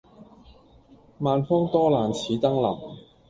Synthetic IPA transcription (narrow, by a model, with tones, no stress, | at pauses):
maː˨˧nfɔː˥ŋt̪ɔː˥laː˨nt͡sʰiː˨˥t̪ɐ˥ŋlɐ̰˨˩m